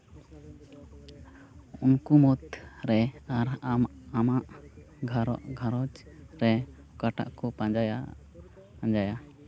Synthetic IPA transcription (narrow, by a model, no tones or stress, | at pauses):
unkumɔt̪ɾɛaɾamaʔ | ɡʱaɾɔ̰ʔɡʱaɾɔd͡ʒɾɛ | kaʈa̰ʔkɔpad͡ʒaja | and͡ʒaja